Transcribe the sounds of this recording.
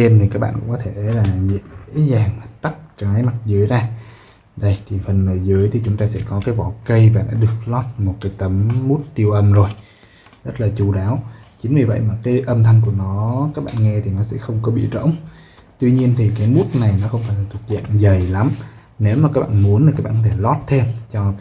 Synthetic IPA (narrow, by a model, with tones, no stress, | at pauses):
e˧nt̪ʰi˨kaː˦˥k̚ɓa̰ː˧˨nkʊ̰˧˥ŋ͡mkɔ˨˦t̪ʰe˧˩laː˨˩zḭ˧˨z̰zaː˨˩ŋa˨˩t̪a˦˥p̚kaː˨˦jma˨˩t̚zɨ̰˧˦əjzaː˧ | ɗə˧jt̪ʰi˨˩fə˨˩nməː˨˩jzɨ̰˧˦əjt̪ʰi˨˩t͡ɕʊ˨˦ŋ͡mt̪aː˧sɛ̰˧˥kɔ˨˦kaː˨˦jvɔ˧˨˩kə˧jvaː˨˩ɗa̰ː˧˥˦ɗɨ˨˩ək̚lɔ˦˥t̚mo˨˩t̚kaː˨˦jt̪ə˨˦mːu˦˥t̚t̪i˧əwʔə˧mzo˨˩j | zə˦˥t̚laː˨˩t͡ɕu˧˩ɗaː˨˦wt͡ɕï˨˦ŋvɨ˨˩və̰˧˨jmaː˨˩kaː˨˦jʔə˧mt̪ʰa˧jŋ̟ku˧˩ənɔ˨˦kaː˦˥k̚ɓa̰ː˧˨nŋɛ˧t̪ʰi˨˩nɔ˨˦sɛ̰˧˥xə˧wŋ͡mkɔ˨˦ɓḭ˧˨zə̰˧˥wŋ͡m | t̪wi˧ɲi˧ənt̪ʰi˨˩kaː˨˦jmu˦˥t̚na˨˩jnɔ˨˦xə˧wŋ͡mfaː˧˩jlaː˨˩t̪ʰu˨˩t̚za̰ː˧˨nzə˨˩jla˨˦m | ne˨˦wma˨˩kaː˦˥k̚ɓa̰ː˧˨nmu˨˦ənt̪i˨˩kaː˦˥ɓaː˧˨kɔ˧˦t̪ʰe˧˩lɔ˦˥t̚t̪ʰe˧mt͡ɕɔ˧